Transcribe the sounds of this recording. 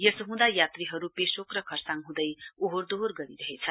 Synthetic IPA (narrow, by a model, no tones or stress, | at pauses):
jʌsɦũd̪ajat̪riɦʌɾupesokrʌkʰʌrsaŋɦũd̪ʌjuɦoɾd̪orɡʌɾiɾʌɦet͡sʰʌ